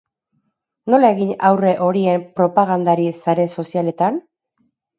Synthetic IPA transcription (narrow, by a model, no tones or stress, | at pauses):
no̞lae̞ɣinawre̞ʔo̞ɾie̞mpɾo̞paɣ̞and̪aɾisaɾe̞so̞siale̞t̪an